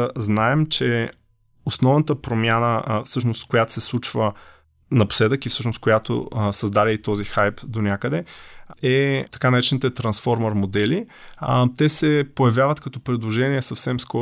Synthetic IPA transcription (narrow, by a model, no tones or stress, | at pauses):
znaɛmt͡ʃɛ | osnɔvnət̪əpɾomʲjanəfsɤʃnost̪kojat̪o̥sɛslˠut͡ʃvə | nɐpo̥slɛd̪əkifsɤʃnos̚kojat̪o̰sɐzd̪aɾʲəit̪ɔzixajpd̪onʲjakəd̪ɛɛt̪ɐ̥kanɐɾɛt͡ʃɛnit̪ɛt̪ɾɐnsfɔɾmɐɾmod̪ɛli | t̪ɛsɛpojɐvjavət̪kɐt̪ɔpɾɛd̪lˠoʒɛniɛsɐfsɛmskɔ